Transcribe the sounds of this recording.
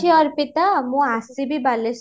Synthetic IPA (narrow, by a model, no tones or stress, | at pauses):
iɔɾpit̪amũasibibales